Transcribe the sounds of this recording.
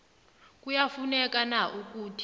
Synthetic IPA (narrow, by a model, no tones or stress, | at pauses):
k̬ʼujafunɛk̬ʼanaʔuk̬ʼuːtʰi̥